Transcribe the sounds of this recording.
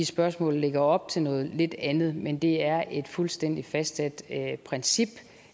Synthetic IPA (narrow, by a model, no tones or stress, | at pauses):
isb̥ɶɐsmɔ̰̽ːlle̝ɡ̥ɐɒ̽b̥̚t͡sʰe̝lnɔ̽ːð̞̩ˠle̝d̥ænð̩ˠmend̥e̝æɐʔe̝d̥fulsd̥en̰d̥ifæsd̥sæd̥pʰʁɛnsib̥